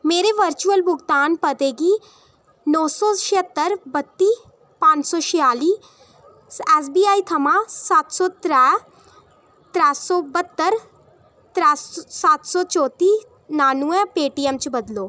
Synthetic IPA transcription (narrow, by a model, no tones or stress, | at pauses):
meːɾeʋəɾt͡ʃuəlbʊɡt̪aːnpɐt̪eːɡi | nɔːsɔʃɪət̪ːəɾbɐt̪ːiː | pãːɲt͡ʃsɔʃɪjaːliː | ɛːs̬biːaːit̪ʰɐmãːsaːt̪sɔt̪ɾɛː | t̪ɾɛːsɔbət̪ːəɾ | t̪ɾɛːsaːt̪sɔt͡ʃɔːt̪iː | naːnuɛ̃peːʈiːɛmt͡ʃbɐd̪loː